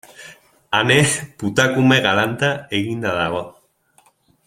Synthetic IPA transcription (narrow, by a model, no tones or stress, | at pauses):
aneput̪akumeɣalant̪aeɣind̪aðaɣo